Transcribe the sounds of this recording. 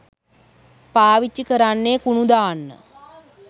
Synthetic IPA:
paːʋit͡ʃːikəɾanːekunud̪aːnːə̰

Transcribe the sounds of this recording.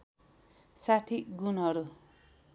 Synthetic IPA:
sat̪ʰiɡunɦʌɾu

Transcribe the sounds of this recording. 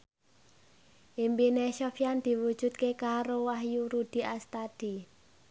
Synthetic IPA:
ʔimbineʃɔfjand̪̥i̤wud̥ʒ̥ṳt̪̚kekaɾowaɦjuɾud̪̥i̤ʔast̪ad̪̥i

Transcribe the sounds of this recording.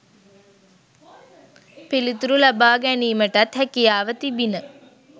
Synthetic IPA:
pilit̪uɾulabaːɡæniːməʈat̪hækijaːʋət̪ibinə

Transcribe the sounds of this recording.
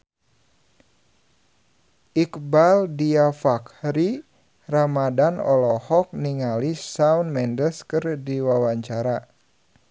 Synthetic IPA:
ʔikbaldiafakɾi | ramadanɔ̰lɔhɔk̚niŋalisaunmɛndəskɨrdiwawaɲt͡ʃaɾa

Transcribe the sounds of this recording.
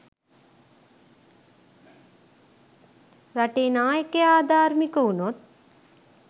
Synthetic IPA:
raʈeːnaːjekejaːd̪ʱaːɾmikəunot̪̚

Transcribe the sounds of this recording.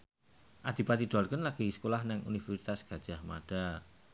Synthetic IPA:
ʔad̪̥ibat̪iɖ̥oalkənlaɡ̥iskolahnɪŋʔṵnifɛrsit̪asɡ̥a̤d̥ʒ̥a̤hma̰ɖ̥a

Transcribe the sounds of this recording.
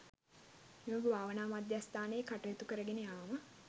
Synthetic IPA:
iməɡəbʱaːʋənaːmad̪jast̪aːnəjekaʈɐjet̪ukəɾəɡenejaːmə

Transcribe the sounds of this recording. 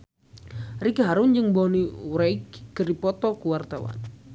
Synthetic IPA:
rikaɦaɾund͡ʒɨŋbɔniuɾaikːɨrdipɔt̪ɔkuwart̪awa̰n

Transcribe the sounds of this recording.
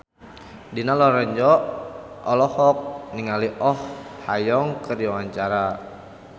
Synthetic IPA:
dinalɔɾəɲd͡ʒɔ | ɔlɔhɔk̚niŋaliʔɔhhajɔŋkərdiawaɲt͡ʃaɾa

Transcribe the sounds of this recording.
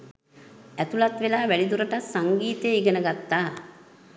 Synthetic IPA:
æt̪ulat̪ʋelaːʋælid̪uɾəʈassaŋɡiːt̪eiɡənəɡat̪ːaː

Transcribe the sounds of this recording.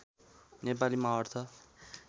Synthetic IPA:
nep̬alimaɦʌrt̪ʰʌ

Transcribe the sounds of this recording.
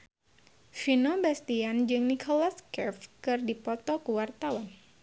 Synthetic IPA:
finobast̪iand͡ʒɨŋnikʰolaskɛfkɨrdipɔt̪ɔkuwart̪awan

